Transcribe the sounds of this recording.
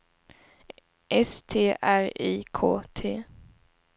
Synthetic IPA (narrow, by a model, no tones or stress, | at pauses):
ʔɛst̪ʰeːʔæɾiːkʰoːt̪ʰeː